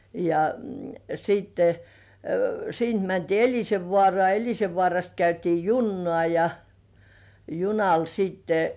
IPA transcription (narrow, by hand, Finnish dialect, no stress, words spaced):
jɑ siːtːe siːnt mæntiː elʲiseʋːŏɑˑrŏɑˑ elʲiseʋːŏɑˑrɑst kæytiː junːŏɑˑ jɑ junɑl siːtːe